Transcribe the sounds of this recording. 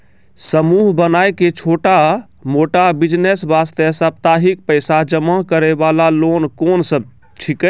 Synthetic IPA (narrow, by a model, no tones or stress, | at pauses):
səmuɦbənajket͡ʃʰoʈa | moʈabid͡ʒnesbast̪əsəp̚t̪aɦik̚pəɪsad͡ʒəmakəɾəbalalonkonsəb̚ | t͡ʃʰikə